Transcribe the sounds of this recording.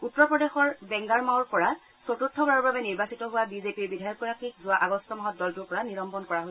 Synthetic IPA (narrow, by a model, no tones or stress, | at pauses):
utːɹɔpɹɔdexɔɹbɛŋɡaɹmawɹpɔɹa | sotutʰːɔbaɹɔɹbabɛniɹbasitɔɦʊwabizepiɹbidʱajɔkːɔɹakʰikzʊwaʔaɡɔstɔmɔɦɔt̚dɔltuɹpɔɹaniɹɔmpɔnkɔɹaɦos